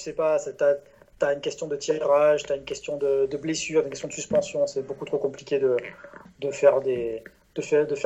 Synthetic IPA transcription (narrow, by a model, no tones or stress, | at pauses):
əsɛpasɛt̪ya | t̪yaynkʲɛst̪jɔ̃d̪ət̪ʰiʁaʒt̪yaynkʲɛst̪jɔ̃d̪əd̪əblesyːʁt̪nkʲɛst̪jɔ̃d̪əsyspɑ̃sjɔ̃sɛbokut̪χokɔ̃plikʲed̪əd̪əfɛʁd̪e | d̪̥əfɛd̪əfɛ